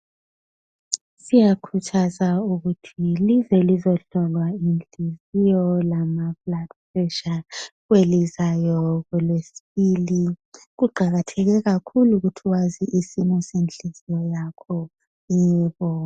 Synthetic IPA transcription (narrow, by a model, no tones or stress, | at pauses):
sijakʰut͡ʃʰazauɣutʰilizɛlizɔɬɔlwaind͡ɮizijɔlamafladfprɛʃaɣwelizajɔɣɛlesi̥βiliɣuɡ͡ǃʱaɣatʰɛɣɛɣakʰuluɣutʰiwaziʔisinɔsend͡ɮʱizijɔjakʰɔ | ɛːβɔ